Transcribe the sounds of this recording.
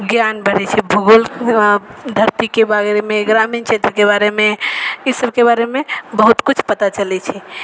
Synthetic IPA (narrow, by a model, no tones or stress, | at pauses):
ɡjanbəɽɛt͡ʃʰɛbʱuɡol | d̪ʱəɾt̪ikebaɾemẽɡɾamint͡ʃʰet̪ɾəkebaɾemẽisəbkebaɾemẽbəɦut̪kut͡ʃʰpət̪at͡ʃəlɛt͡ʃʰɛ